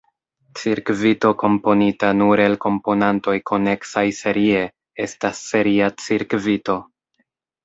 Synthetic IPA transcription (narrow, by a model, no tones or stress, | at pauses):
t͡siɾkvito̞ko̞mpo̞nitanuɾe̞lko̞mpo̞nanto̞jko̞ne̞ksajse̞ɾie̞ | e̞stasːe̞ɾiat͡siɾkvito̞